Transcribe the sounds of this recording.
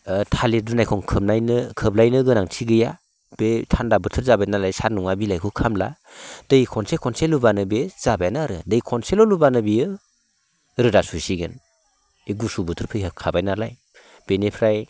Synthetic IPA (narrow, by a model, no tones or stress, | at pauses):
tʰalidunajkʰɔŋkʰɯmnajnɯkʰɯblajnɯɡɯnaŋtʰiɡɯja | b̥etʰandabɯtʰɯɾzabajnalajsaɾnuŋabilajkʰukʰamla̰dɯjkʰɔnsekʰɔnselubanɯbez̥abajnaɾɯdɯjkʰɔnselɔlubanɯbiɯ | ɾɯdasusiɡɯn | iɡusubɯtʰɯɾpʰɯjɦɯkʰabajnalaj | b̥enepʰɾaj